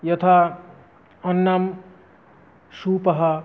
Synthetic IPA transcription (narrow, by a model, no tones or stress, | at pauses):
jʌt̪ʰa | ʌnːam | supʌɦʌ